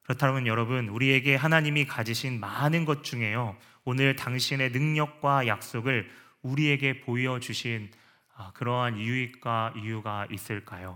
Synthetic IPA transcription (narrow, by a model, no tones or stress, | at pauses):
kɯɾʌtʰaɾomʌnjʌɾʌbɯnuɾie̞ɡe̞ɦanaɲimikad͡ʑiɕʰinmanɯnɡʌt̚t͡ɕ͈uŋe̞jo | onɯɭtaŋɕʰine̞nɯŋɲʌk̚k͈wajak̚s͈oɡɯɭ | uɾie̞ɡe̞poiʌd͡ʑuɕʰin | akɯɾʌɦanijuik͈waijuɡaʔis͈ɯɭk͈ajo